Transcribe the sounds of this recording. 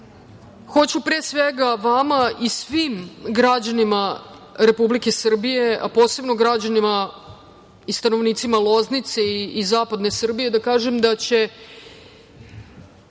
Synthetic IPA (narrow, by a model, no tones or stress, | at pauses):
xo̞t͡ɕupɾisʋeɡaʋamaisʋimɡɾad͡ʑanimaɾe̞publike̞sr̩bije̞apo̞ːse̞bno̞ɡɾad͡ʑanima | ist̪ano̞ʋniːt̪simalˠo̞znit̪seiːzaːpad̪ne̞sr̩bije̞d̪akaːʒemd̪at͡ɕe̞